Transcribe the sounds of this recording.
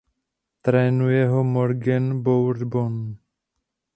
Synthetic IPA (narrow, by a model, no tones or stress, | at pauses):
t̪ɾɛːnujɛɦomoɾɡɛnbowɾd̪bon